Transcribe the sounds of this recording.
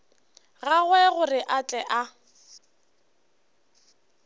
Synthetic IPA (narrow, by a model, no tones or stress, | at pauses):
ɣaɣwɛɣʊrɪʔat͡ɬʼɛʔa